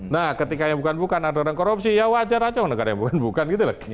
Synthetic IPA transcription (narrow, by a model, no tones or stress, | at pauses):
nahkət̪ikajabukanbukanadoɾankoɾup̚sijawad͡ʒaɾad͡ʒanəɡaɾajaŋbukanbukanɡit̪ulak